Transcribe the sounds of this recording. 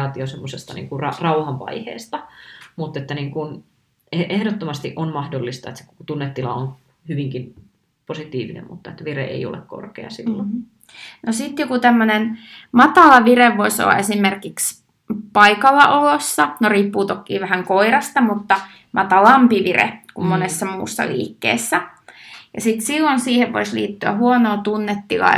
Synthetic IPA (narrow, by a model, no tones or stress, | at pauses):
ɑːt̪iosemːosest̪ɑnḭŋkurɑrɑuhɑmʋɑ̰ihḛːst̪ɑmut̪ːet̪ːæniːŋkun | eehdot̪ːomɑst̪iʔonmɑhdolːist̪ɑet̪se̥kokot̪unːet̪ːilɑ̰on | hyʋiŋkin | posit̪iːʋinḛmmṵt̪ːɑet̪ʋirḛʔḛio̰lḛkko̰rkḛɑ̰sḭlːo̰ | nosit̪jokut̪æmːønenmɑt̪ɑlɑʋireʋoiso̰lːɑ̰esimerkiks | pɑikɑlːɑʔolosːɑnoriːpːuːt̪okːˑḭːʋæhæŋkoirɑst̪ɑmut̪ːɑ | mʔɑt̪ɑlɑmpiʋirḛkumːonesːɑmṵːsːɑ̰lḭːkːḛːsːæjɑsit̪silːonsiːheʋʋo̰islḭːt̪ːyæ̰huonoːt̪unːet̪ːilɑ̰